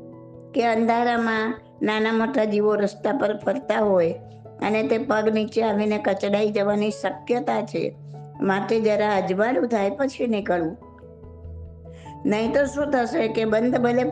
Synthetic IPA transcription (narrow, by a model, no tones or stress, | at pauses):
keənd̪ʱaɾamã | nanamoʈad͡ʒiʋoɾəst̪apəɾpʰəɾt̪aɦoj | ə̰net̪epəɡnit͡ʃeaʋinekət͡ʃɽaid͡ʒəʋanisəkjət̪at͡ʃʰḛ | maʈed͡ʒəɾaəd͡ʒʋalũt̪ʰajpət͡ʃʰinikəɭũ | nəɦĩt̪oʃũt̪ʰəʃekebənd̪ʱbəle